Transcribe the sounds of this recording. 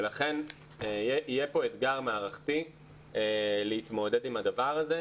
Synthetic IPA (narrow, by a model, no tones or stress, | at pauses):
elaχe̞n | jeʔijepo̞et̪ɡaʁmaːʁaχt̪i | leit̪mo̞d̪e̞dimhad̪avaʁaze